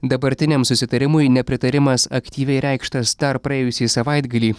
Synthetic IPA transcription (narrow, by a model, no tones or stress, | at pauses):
d̪ɐbɐɾʲt̪ʲɪnʲɛmsʊsʲɪt̪ɐɾʲɪmʊjnʲɛpʲɾʲɪt̪ɐɾʲɪmɐsɐkt̪ʲiːʋʲɛɪɾʲɛɪkʃt̪ɐsd̪ɐɾpɾɐeːjʊsʲiːsɐʋɐɪd̪ɡɐlʲiː